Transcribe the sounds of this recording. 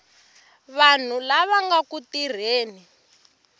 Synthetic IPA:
βan̤ulaβaŋɡakutir̤eːni

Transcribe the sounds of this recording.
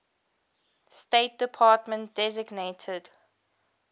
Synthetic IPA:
steɪt̚d̥ɪpʰɑːtmə̃nt̚d̥ɛzɪɡnetʰəd̥

